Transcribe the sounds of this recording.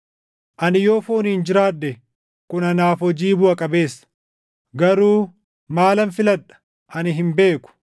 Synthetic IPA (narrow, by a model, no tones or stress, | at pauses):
ʔɐnɪjo̞ːfoːniːnd͡ʒɪɾaːᶑːɛ | kʊnɐnaːfɔd͡ʒiːbʊɐkʼɐbe̞ːsːɐ̥ | ɡɐɾuː | maːlɐnfɪlɐᶑɐ̥ | ʔɐnɪɦɪmbe̞ːkʊ̥